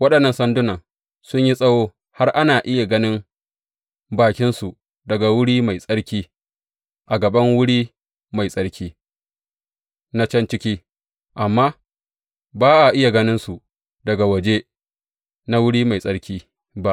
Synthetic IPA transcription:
wɐ˦ɗɐ˨nːɐ˨nsɐ˦ndʊ˦nɐ˨ŋ | sʊ˦ɲji˦sʼɐ˦woː˦ | ha˦rʔa˦naː˨ʔɪ˦ja˨ɡɐ˦nɪ˦m | baː˨kʲɪ˦nsu˨ | dɐ˨ɡa˨wʊ˦ɽiː˦ma˨jsʼɐ˦ɽkʲiː˦ | ʔa˨ɡɐ˨bɐ˦ŋwʊ˦ɽiː˦ | ma˨jsʼɐ˦ɽkʲiː˦ | na˦t͡ʃɐ˦nt͡ʃɪ˦kʲiː˦ | ʔa˨mːaː˦ | baː˦ʔa˨ʔɪ˦ja˨ɡɐ˦nɪ˦nsu˨ʔ | dɐ˨ɡa˨wɐ˨d͡ʒe˦ | na˦wʊ˦ɽiː˦ma˨jsʼɐ˦ɽkʲiː˦ | ba˦ʔ

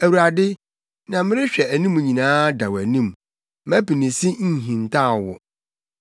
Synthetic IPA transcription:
æ˨wu˨ɾa˨dɪ˦ | nã˨mɪ̃˦ɾɪ˦ɕᶣɛ˨æ˨nĩ˦mũ˨ɲĩ˨nãː˦da˨wæ˨nĩ˦m˨ | mæ̃˦pi˨nĩ˨si˦ɲ̩˦˨ɦĩ˨n˨tʰa˦˨wɔ̰˨

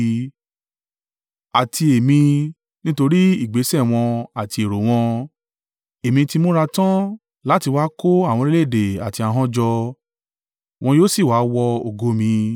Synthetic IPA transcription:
a˨tʰi˧e˨mĩ˧ | nĩ˦to˧ɾi˦i˦˨ɡ͡be˨˦sɛ˦˨w̃ɔ̃˧a˨ti˧e˨ɾo˨w̃ɔ̃˧ | e˨mĩ˧ti˧mõ˦ɾa˧tã˦ | la˦ti˧wa˦ko˦a˦˨w̃ɔ̃˧ɾe˦le˦˨de˨a̰˨ti˧a˧ɦɔ̃˦d͡ʒɔ˧ | w̃ɔ̃˧joː˦si˦˨wa˨˦wɔ˧o˨ɡo˧mĩ˧

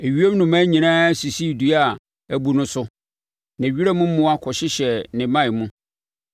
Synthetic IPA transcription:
e˨ɥi˦e˦m˦nʊ̃˨mã˦ɲĩ˨nãː˦si˨si˦˨du˨a˨ | æ˨bu˨nʊ̃˦sʊ˦ | nã˨ɥi˦ɾa˦mʊ̃˦m̩˦mʊ̃˦a˦kʰɔ˨ɕɪ˦ɕɛ˨nɪ̃˨mã˦˨mũ˦

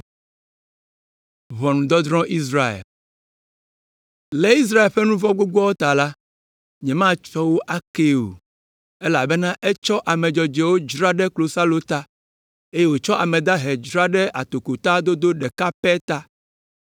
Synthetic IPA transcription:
vɔ˨nũ˨d̪ɔ˦d̪ɾɔ̃˦ʔi˦s̬ɾa˦ḛ˨l | le˦i˦s̬ɾa˦e˨lɸɛ˦nũ˦vɔ˦ɡ͡bo˦ɡ͡bu˦ɔ˦wo˦t̪a˨la˦ | ɲɛ̃˨mã˦t͡ʃɔ˦wo˦ʔa˦ke˦o̰˨ | e˦la˨bɛ˦nã˦ʔɛ˦t͡ʃɔ˦ʔa˨mɛ̃˨d͡ʒɔ˨d͡ʒɛ˨wo˦d͡ʒɾa˦ɖɛ˦klo˨sa˦lo˦t̪a˦ | e˦je˦wo˨t͡ʃɔ˦ʔa˨mɛ̃˨d̪a˦ɦɛ˨d͡ʒɾa˦ɖɛ˦ʔa˨t̪o˨ko˨t̪a˦d̪o˦d̪o˦ɖɛ˨ka˦pɛ˦t̪a˦

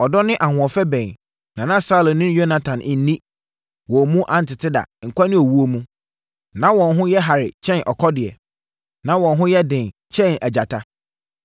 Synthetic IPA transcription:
ɔ˨dɔ˦nɪ̃˦ʔa˨hʊ̃˨ɔ˨fɛ˦bɛ̃˨n | nã˨nã˦sa˦lɔ̃˨nːɪ̃˦jo˦na˨tʰã˨nʔɪ˨n̩˦nĩ˦ | wɔ˨mũ˦ʔã˨n̩˨tɪ˨tʰɪ˦da̰˨ŋ̩˨kʷa˦nʊ̃˦o˨wu˦o˦mũ˦ | nã˦wɔ̃˨nɦʊ̃˦jɛ˦ɦa˨ɾɪ̰˨t͡ɕʰɛ̃˦˨nʔɔ˨kʰɔ˦dɪ˨ɛ̰˨ | nã˨˦wɔ̃˨nɦʊ̃˦jɛ˦dɪ̃˨nt͡ɕʰɛ̃˦næ˨d͡ʑa˨tʰa˦

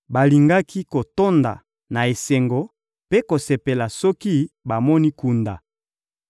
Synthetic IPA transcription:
ba˨li˨ŋɡa˦kʰi˦ko˨to˦nda̰˨ | na˨e˨se˨ŋɡo˨ | pe˦ko˨se˨pe˨la˨sɔ˦ki˦ba˨mɔ˦ni˦ku˨nda̰˨

